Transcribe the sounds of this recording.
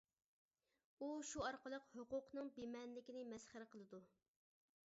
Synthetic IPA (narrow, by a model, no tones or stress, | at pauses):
uʃuɑɾqəlˠəqhoqʊqnɨŋbemɛnlɪkʲinɪmɛsχəɾɪqəlˠɨd̪u